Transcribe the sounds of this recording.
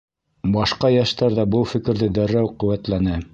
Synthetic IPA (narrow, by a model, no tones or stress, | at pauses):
bɑʃqɑjæʃt̪ɑɾðɑbɤlˠfɘ̆kɘ̆ɾðɘd̪æɾːæwqɵ̆wæt̪lænɘ